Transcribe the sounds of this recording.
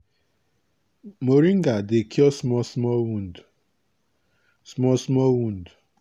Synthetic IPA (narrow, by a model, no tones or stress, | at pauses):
moɾiŋ̩ɡadekiɔsmɔsmɔwund | smɔsmɔwun̩du